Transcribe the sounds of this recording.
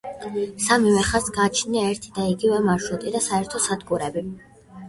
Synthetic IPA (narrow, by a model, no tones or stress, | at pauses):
samivɛχasɡat͡ʃʰniaɛɾt̪ʰid̪aiɡivɛmaɾʃut̪ʼid̪asaɛɾt̪ʰɔsad̪kʼuɾɛbi